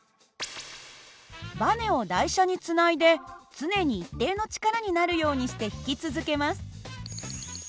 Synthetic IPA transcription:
bane̞o̞d̪aiɕaɲ̟it͡sɨnaid̪e̞t͡sɨne̞ɲ̟iːt̪ːe̞ːno̞t͡ɕi̥kaɾaɲ̟inaɾɯ̟jo̞ːɲ̟iɕi̥t̪e̞çi̥kʲit͡sɨzɨke̞masɨ̥

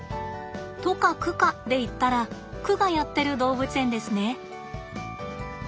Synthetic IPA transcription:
t̪o̞kakɯ̟kad̪e̞it̪ːaɾa | kɯ̟ɡajat̪ːe̞ɾɯ̟d̪o̞ːbɯ̟t͡sɨẽ̞nd̪e̞sɨne̞

